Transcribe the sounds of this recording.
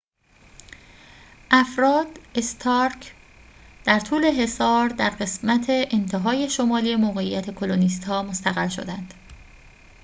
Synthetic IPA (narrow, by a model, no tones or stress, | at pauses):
ʔæfɾɒːd̪est̪ʰɒːɾcʰ | d̪̥æɾt̪ʰuːle̞ɦe̞sɒːɾd̪æɾɢe̞smæt̪ʰe̞ʔent̪ʰe̞ɦɒːje̞ʃo̞mɒːlijemoɣe̞ijːæt̪ʰe̞kʰo̞lonist̪hɒːmo̞st̪æɣæɾʃo̞̰d̪ænd̪̥